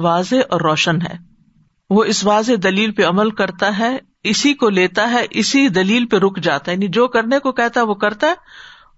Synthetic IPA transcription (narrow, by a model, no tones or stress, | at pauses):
ʋaːzeʔɔːɾːɔːʃənɦɛ̰ː | ʋoɪsʋaːzed̪ɐliːlpeɐməlkɐɾt̪aɦɛ | ɪsikoleːt̪aɦɛʔɪsid̪ɐliːlpeɾʊkʰd͡ʒaːt̪aɦɛjaːnid͡ʒoːkɐɾnekokɛɦt̪aɦɛʋokɐɾt̪aɦɛː